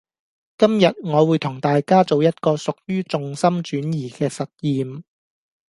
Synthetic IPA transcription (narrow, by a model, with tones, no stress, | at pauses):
kɐ˥mjɐ˨t̚ŋɔː˨˧wuː˨˧jt̪ʰʊ˨˩ŋt̪aː˨jkaː˥t͡so˨wjɐ˥t̚kɔː˧sʊ˨k̚jyː˥t͡sʊ˨ŋsɐ˥mt͡ʃyː˨˥njiː˨˩kɛː˧sɐ˨t̚jiː˨˧m